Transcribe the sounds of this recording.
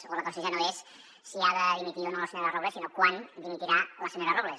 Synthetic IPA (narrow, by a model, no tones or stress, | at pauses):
oləkonsiʒanoes | siaðəðimit̪ionoləseɲoɾaroβlesinokwand̪imit̪iɾaləseɲoɾaroβle